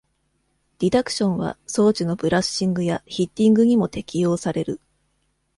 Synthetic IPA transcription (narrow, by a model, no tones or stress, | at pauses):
d̥ʲid̪akɯ̟̥ɕõ̞ɰ̃βa̰so̞ːt͡ɕino̞bɯ̟ɾaɕĩŋɡɯ̟jaçit̪ʲːĩŋɡɯ̟ɲ̟imo̞t̪e̞kʲijo̞ːsaɾe̞ɾɯ̟